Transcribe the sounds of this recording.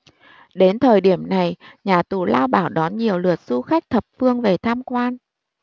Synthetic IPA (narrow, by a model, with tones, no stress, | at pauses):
ɗe˨˦nt̪ʰəː˨˩jɗi˧˩əmna˨˩jɲaː˨˩t̪u˧˩laː˧wɓa̰ː˧˩wɗɔ˨˦nɲi˨˩əwlɨ˨˩ət̚z̥u˧xa˦˥jk̟̚t̪ʰə˨˩p̚fɨ˧əŋve˨˩t̪ʰaː˧mkwaː˧n